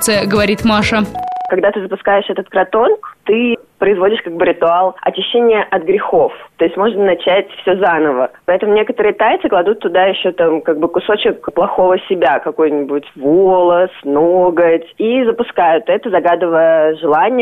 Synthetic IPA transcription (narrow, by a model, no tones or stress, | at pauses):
sɨəɡəvɐɾʲit̪maʂəkɐɡd̪at̪ɨzəpʊskajɪʂɛt̪ət̪kɾɐt̪o̞nkt̪ɨpɾəɪzvo̞dʲɪʂkaɡ̚bɨɾʲɪt̪ʊalˠɐ̰t͡ɕɪɕːenʲɪjəʔɐt̪ɡɾʲɪxo̞ft̪o̞jɪsʲtʲmo̞ʐnənɐt͡ɕætʲfsʲozanəvəpɐɛt̪əmʊnʲe̞kət̪əɾɨjət̪ajt̪sɨklˠɐd̪ut̪ːʊd̪ajɪɕːot̪amkaɡ̚bɨkʊso̞t͡ɕɪkplˠɐxo̞vəsʲɪbʲakɐko̞jnʲɪbʊtʲvolˠəsnoɡətʲizəpʊskajʊt̪ɛt̪əzɐɡad̪ɨvəjəʐɨlˠanʲɪjə